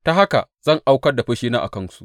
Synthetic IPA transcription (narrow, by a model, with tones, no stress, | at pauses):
ta˦ɦa˦ka̰˨z̥ɐ˦˨ŋʔa˦wkɐ˦rda˨ɸɐ˦ʃiː˦naː˦ʔa̰˨kɐ˦nsu̥˦ʔ